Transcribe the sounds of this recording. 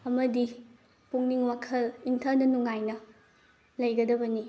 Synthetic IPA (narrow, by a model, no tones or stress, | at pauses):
ɐmɐdi | puŋniŋwakʰɐliŋtʰɐɾnɐnuŋajnɐ | lɐjɡɐdɐbɐni